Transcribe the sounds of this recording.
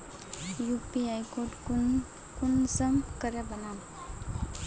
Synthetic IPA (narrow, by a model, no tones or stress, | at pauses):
jupiajkoʈ | kunsəmkəɾebənam